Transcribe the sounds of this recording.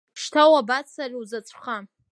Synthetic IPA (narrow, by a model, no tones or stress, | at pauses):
ʂtʰawabat͡sʰarʲwzat͡sʷʼχa